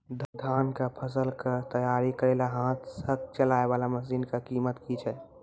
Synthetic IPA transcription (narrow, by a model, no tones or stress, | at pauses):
d̪əd̪ʱaːnkapʰəsəlkəɾt̪əjaɾikəɾelaɦãːt̪ʰsək̚t͡ʃəlaebalaməsinkakimət̪kit͡ʃʰɛ